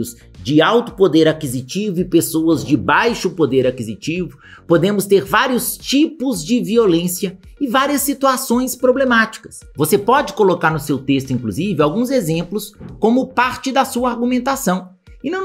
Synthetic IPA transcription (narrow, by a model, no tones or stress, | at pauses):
ʊz | d͡ʒɪawt̪ʊ̥pod̪eɾakizit͡ʃivʊɪpesoɐzd͡ʒɪbajʃʊpod̪eɾakizit͡ʃivʊ | pod̪ẽmʊst̪eɾvaɾiʊst͡ʃipʊzd͡ʒɪviolẽsiɐ | ɪvaɾiɐsːit̪uasõj̃spɾoblemat͡ʃi̥kɐ̥s | vosepɔd͡ʒɪkolokaɾnʊsewt̪est̪ʊĩŋkluzivɪawɡũzezẽmplʊskõmʊpaɾt͡ʃɪd̪ɐsuɐaɾɡumẽnt̪asɐ̃w̃ | ɪnɐ̃w̃